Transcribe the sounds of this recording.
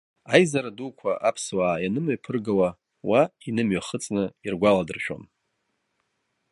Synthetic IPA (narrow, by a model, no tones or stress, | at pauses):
ajzaɾadukʷʰaʔapʰswaːjanɨmaɥpʰɨrɡawa | wainɨmɥaχət͡sʼnɨirɡʷaladɨrʃᶣo̰n